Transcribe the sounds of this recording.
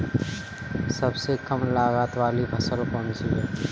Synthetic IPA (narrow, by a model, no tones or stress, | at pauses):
sɐbsekəmlaːɣaːt̪ʋaːlibʱɐsəlpəmd͡ʒiɛː